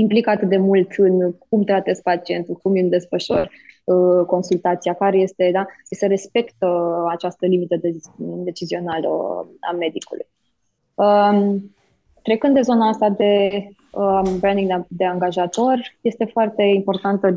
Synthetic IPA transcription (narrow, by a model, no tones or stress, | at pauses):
implikəat̪ɨt̪̚d̪e̞mult̪ɨnkumt̪ɾat̪e̞z̚pat͡ʃie̞nt̪ukumimd̪e̞sfəʃo̰r | əko̞nsult̪at̪siakaɾe̞je̞st̪e̞d̪asiseɾe̞spe̞kt̪əat͡ʃast̪əlimit̪əd̪ed̪e̞t͡ʃizio̞nalə̰a̰me̞d̪ikulṵj | ə | t̪ɾe̞kɨnd̪d̪ezo̞naast̪ad̪e̞ | əbɾand̪iŋd̪d̪e̞aŋɡaʒat̪o̞rʲje̞st̪e̞foart̪e̞impo̞rt̪ant̪ə